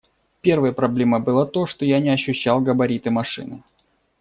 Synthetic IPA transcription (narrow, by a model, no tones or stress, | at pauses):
pʲe̞rvəjəpɾɐblʲe̞məbɨlˠət̪oʂt̪ojanʲɪɐɕːʉɕːalˠɡəbɐɾʲit̪ɨmɐʂɨ̰nɨ̰